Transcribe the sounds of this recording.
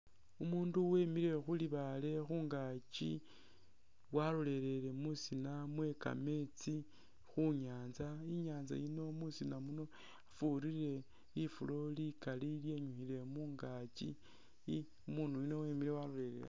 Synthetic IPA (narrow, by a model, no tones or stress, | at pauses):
umuːnduwemiɾe̞xuliβale̞xuːŋɡat͡ʃḭ | walole̞ɾe̞le̞musinamwe̞ka̰me̞t͡si | xuɲaːnzaiɲaːnza̰jino̞musinamuno̞ | afuɾiɾe̞ | ifulo̞likalilje̞ɲuxile̞muːŋɡat͡ʃḭ | umuːndujino̞weːmiɾewalole̞ɾḛɾḛ